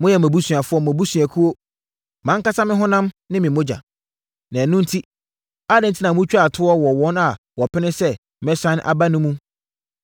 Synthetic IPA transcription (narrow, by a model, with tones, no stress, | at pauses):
mʊ̃˦jɛ˨mæ̃˨bu˦sɥ̃a˨fʊ˦ɔ˦m˨ã˨bu˦sɥa˨kʰu˦wo˦ | mã˦ŋ˦ka˦sa˦mɪ̃˦ɦʊ̃˦nã˦mnɪ̃˦mɪ̃˨mõ˦d͡ʑa̰˨ | nã˨nʊ̃˦n̩˦tʰi˦ | a˦dɪ̃˨n̩˨tʰi˦nã˨mũ˦t͡ɕᶣa˨tʰʊ˦ɔ˦wɔ˨wɔ̃˨˦na˨ | wɔ˨pʰɪ˦nɪ̃˦sɛ˦ | mɛ̃˦sã˦n˦ʔa̰˨ba˦nʊ̃˦mũ˦